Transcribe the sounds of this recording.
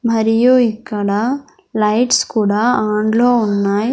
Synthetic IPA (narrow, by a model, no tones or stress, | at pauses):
mɐɾijuikːɐɽa | lɐjʈskuːɽaːaːɳɖloːunːaːj